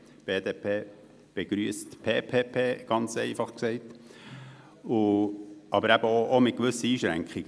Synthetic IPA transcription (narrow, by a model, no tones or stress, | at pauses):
b̥eːd̪eːpʰeː | b̥eɡ̥ɾyəstpʰeːpʰeːpʰeːɡ̥ɑnt͡sɛɪfɑχksɛɪt | ʊʔɑbəɾæb̥əoʔomɪt̪̚kʋʏsəiːʃɾæ̰ŋkχiɡə